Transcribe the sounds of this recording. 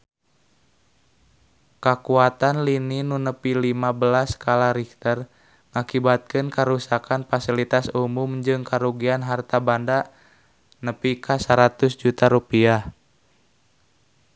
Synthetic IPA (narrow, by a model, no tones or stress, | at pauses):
kakuat̪anlininunəpilimabəlaskalaɾikt̪ər | ŋakibat̪̚kɨnkaɾusakanfasilit̪asumumd͡ʒɨŋkaɾuɡianɦart̪abanda | nəpikʰasaɾat̪usd͡ʒut̪aɾupiah